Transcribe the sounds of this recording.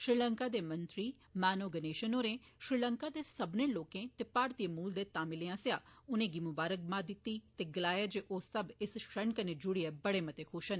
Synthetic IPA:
ʃɾiləŋkaːd̪eːmənt̪ɾiː | mɛːnoːɡəneːʃənoːɾẽːʃɾilə̃ŋkaːd̪eːsəbnẽːloːkẽːt̪eːpaːɾt̪imuːld̪eːt̪ãːmɪleːãːsɪjaːʊnẽːɡimʊbaːɾək̚maːd̪ɪt̪ːiːt̪eːɡəlaːjaːd͡ʒeːʔoːsəbɪsʃəɳkəned͡ʒʊɽiɛːbəɽeːmət̪eːkʰʊʃən

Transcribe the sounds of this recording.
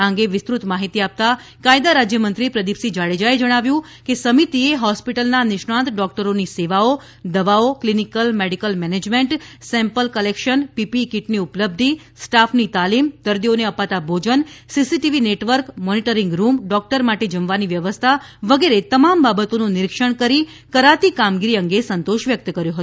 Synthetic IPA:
ãŋɡeʋɪst̪ɾut̪maɦit̪iap̚t̪akajd̪aɾad͡ʒjəmənt̪ɾipɾəd̪ipsid͡ʒaɽed͡ʒaed͡ʒəɽ̃aʋjũ | kesəmit̪ieɦɔspiʈəlnanɪʃɳ̃ãnt̪ɖɔk̚ʈəɾoniseʋao | d̪əʋaoklinikəlmeɖikəlmɛned͡ʒmẽɳʈsɛ̃mpəlkəlekʃənpipikiʈniʊpləb̚d̪ʱi | sʈafʰnit̪alimd̪̥əɾd̪ioneəpat̪abʱod͡ʒənsisiʈiʋineʈʋəɾkmɔniʈəɾɪ̃ŋɡɾumɖɔk̚ʈəɾmaʈed͡ʒəmʋaniʋjəʋəst̪ʰaʋəɡeɾet̪əmambabət̪onũnɪɾikʃəɳkəɾi | kəɾat̪ikamɡiɾiə̃ŋɡesənt̪oʃʋjək̚t̪kəɾjoɦət̪

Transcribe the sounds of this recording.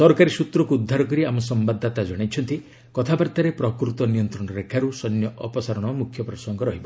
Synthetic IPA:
sɔɾkaɾisut̪ɾɔkuːd̪ʱːaɾɔkɔɾiamɔsɔmbad̪ʱːat̪ad͡ʒɔɽ̃ajt͡ʃʰɔnt̪i | kɔt̪ʰabaɾt̪aɾepɾɔkɾut̪ɔnijɔnt̪ɾɔɽ̃ɔɾekʰaɾusɔnjɔʔɔpɔsaɾɔɽ̃ɔmukʰːjɔpɾɔsɔŋɡɔɾɔɦibɔ

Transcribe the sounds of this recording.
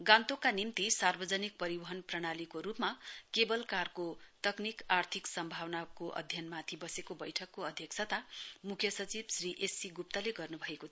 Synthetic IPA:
ɡãnt̪okanimt̪isarbʌd͡zʌnik̚pʌɾibʌɦʌnprʌɽ̃alikoɾupmakebʌlkarkot̪ʌknikart̪ʰiksʌmbʱawnakoʔʌ̰d̪ʱjʌnmat̪ʰibʌsekobʌjʈʰʌkːoʌd̪ʱjʌksʰat̪amukʰjʌsʌt͡sibsriʔesiɡup̚t̪ʌleɡʌrnubʱʌeko

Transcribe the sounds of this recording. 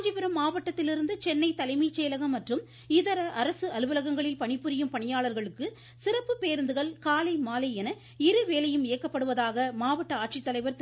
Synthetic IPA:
d͡ʒɪpɪɾɐmːaːʋɐʈːɐt̪ːɪlɪɾɯnd̪ɯt͡ʃɛnːɐɪt̪ːɐlɐɪmiːt͡ʃːeːlɐɣɐmːɐʈrɯm | ɪðɐɾɐʔɐɾɐsɯɐlɯʋɯlɐɣɐŋɡɐɭɪlpɐɳɪpːɯɾɪjɯmpɐɳɪjaːɭɐɾɣɐɭɯkːɯ | sɪrɐpːɯpeːɾɯnd̪ɯɣɐɭkaːlɐɪmaːlɐɪjɛnɐ | ɪɾɯʋeːlɐjɯmɪːkːɐpːɐɽɯʋɐðaːɣɐmaːʋɐʈːɐaːʈ̚t͡ʃɪt̪ːɐlɐɪʋɐɾt̪

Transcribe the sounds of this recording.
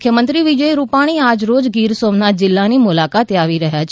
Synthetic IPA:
kʰjəmə̃nt̪ɾiʋɪd͡ʒəiɾupaːɽ̃iaːd͡ʒɾoːd͡ʒɡiːɾsoːmnat̪̚d͡ʒɪlːanimʊlakaːt̪eaːʋiɾəɦjat͡ʃʰ

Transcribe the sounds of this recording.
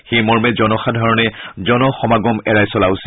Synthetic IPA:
xejmɔɹmɛzɔnɔxadʱɔɹɔnɛzɔnɔxɔmaɡɔmɛɹajsɔlaʊsi

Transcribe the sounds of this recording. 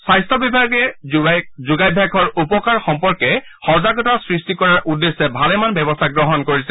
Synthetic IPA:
sajstʰɔbibʱaɡɛ | zuɡajbʱaɡʰɔɹupɔkaɹxɔmpɔɹkɛ | xɔɹzaɡɔtasɹistikɔɹaɹʔudːesːɛbʱalɛmanbɛbɔstʰaɡɹɔɦɔnkoɹisɛ

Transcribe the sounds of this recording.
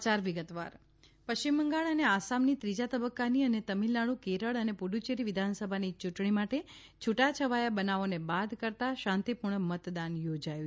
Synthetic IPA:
t͡ʃaɾʋiɡət̪ʋa̰ɾ | pəʃt͡ʃimːəŋɡaɭəneasamnit̪ɾid͡ʒat̪əbəkːaniənet̪əmilːaɭũkeɾəɭənepuɖut͡ʃeɾiʋɪd̪ʱansəbʱanit͡ʃuʈɳimaʈe | t͡ʃʰuʈat͡ʃʰəʋajabənaʋonebad̪ʱkəɾt̪aʃãnt̪ipuɾɳəmət̪d̪anjod͡ʒaju

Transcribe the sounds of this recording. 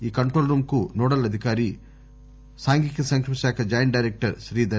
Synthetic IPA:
iːkɐɳʈɾoːlɾuːmkunɔːɽɐlɐd̪ʱikaːɾi | saːŋɡikːesɐŋkʂɐmiʃaːkʰɐd͡ʒɐjɐnɖɐːjɾek̚ʈɐɾʃɾiːd̪ɐ

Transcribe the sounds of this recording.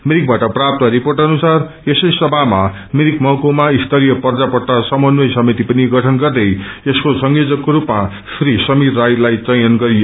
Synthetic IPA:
meɾik̚baʈʌprap̚t̪ʌɾiporʈʌnusar | esʌjsʌbʱama | miɾikmʌwkomaist̪ʌɾijʌpʌrd͡zapʌrt̪asʌmʌnwʌjsʌmit̪ipʌniɡʌʈʰʌnɡʌrd̪ʌjeskosʌŋjod͡zʌkːoɾupma | srɾisʌmit̪rajlajt͡sʌjʌnɡʌɾijo

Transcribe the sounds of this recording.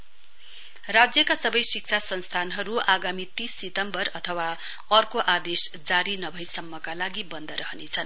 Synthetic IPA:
rad͡zjʌkasʌbʌjsik̚t͡sʰasʌnst̪ʰanɦʌɾuʔaɡamit̪ĩsːit̪ʌmbʌrʌt̪ʰʌwa | ʌrkoʔad̪esd͡zaɾinʌbʱʌjsʌmːʌkalaɡibʌnd̪ʱʌɾʌɦʌnet͡sʰʌn

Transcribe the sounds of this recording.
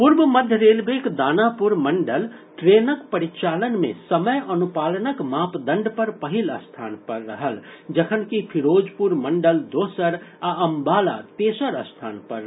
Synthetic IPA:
pʊɾbəməd̪ʱjəɾeːlbeːkd̪aːnapʊɾmɐ̃ɳɖəlʈɾeːnəkpəɾit͡ʃaːlənmḛ̃sɐməjɐnupaːlənəkmaːpd̪ə̃ɳɖpəɾpəɦɪləst̪ʰa̰ːnpəɾːɐɦəld͡ʒɐkʰənkipʰɪɾoːd͡ʒpuɾmɐ̃ɳɖəld̪oːsəɾaɐ̃mbaːla̰t̪eːsəɾəst̪ʰaːnpɐɾ

